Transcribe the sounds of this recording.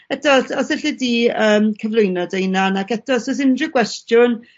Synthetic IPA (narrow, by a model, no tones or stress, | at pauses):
ɛtɔsɔsɪɬidiːəːmkʰəvlˠʊjnɔdejnanakɛtɔsɔsɪndrɪkʰwɛstjʊn